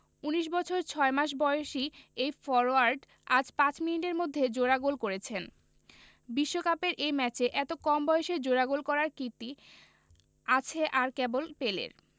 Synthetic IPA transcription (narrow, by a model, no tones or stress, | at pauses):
uniʃ̬bɔt͡ɕʰoɾt͡ɕʰɔemaʃ̬bɔeoʃiejfɔɾwaɾɖ | ad͡ʑpãt͡ɕminiʈeɾmod̪ʱːed͡ʑoɾaɡulkoɾet͡ɕʰen | biʃːokapeɾʔejmɛt͡ɕeʔɛt̪okɔmbɔjeʃed͡ʑoɾaɡulkɔɾaɾkit̪i | at͡ɕʰeʔaɾkɛbolpelḛɾ